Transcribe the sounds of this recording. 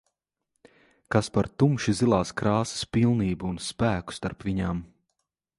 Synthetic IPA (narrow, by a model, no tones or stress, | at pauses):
kaspaɾt̪umʃizilˠaːskɾaːsɪ̥spilˠniːbuːnspæːku̥st̪aɾpviɲaːm